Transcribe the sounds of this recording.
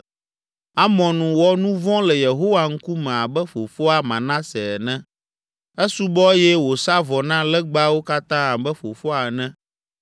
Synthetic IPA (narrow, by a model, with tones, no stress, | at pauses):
a˦mɔ̃˨nũ˨wɔ˦nũ˦vɔ̃˦lɛ˨je˨ɦo˦wa˨ŋ̩˦ku˦mɛ̃˨a˨bɛ˦fo˨fo˦a˨mã˨nã˦sɛ˨nɛ̃˦ | ɛ˦su˦bɔ˦jɛ˦wo˨sa˦vɔ˨nã˦lɛ˦ɡ͡ba˦wo˦ka˦t̪ã˦a˨bɛ˦ɸo˨fo˦a˨nɛ̃˦